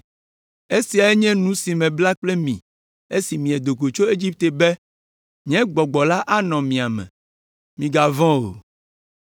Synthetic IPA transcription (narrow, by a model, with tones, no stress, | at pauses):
e˦si˨a˨ɛ˦ɲɛ̃˦nũ˦si˨mɛ̃˨bla˦k͡ple˦mĩ˨ | e˦si˨mĩ˨ɛ˨d̪o˨ko˨t͡ʃo˦e˦d͡ʑi˦p̚t̪e˨bɛ˦ | ɲɛ̃˦ɡ͡bɔ˨ɡ͡bɔ˨la˦ʔa˦nɔ̃˨mĩ˨a˨mɛ̰̃˨ | mĩ˨ɡa˨vɔ̃˦o̰˨